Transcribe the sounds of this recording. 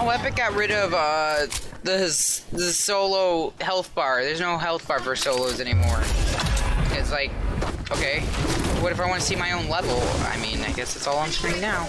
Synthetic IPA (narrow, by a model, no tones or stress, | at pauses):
wpɨt̚ɡ̥ɑt̚ɹɪɾʌvʌ | ðɨðɨsoʊlˠoʊhɛlˠθb̥ɑɹðə˞znoʊɦɛlˠθb̥ɑɹfə˞soʊlˠoʊzɛñimɔɹ | kʌtslaɪk̚oʊkʰeɪwʌɾɨfaɪwɑ̃nɨsimaɪõʊ̃nlɛvl̩ˠa̰ɪmĩna̰ɪɡɛsɨtsɔlˠə̃nstɹĩŋnaʊ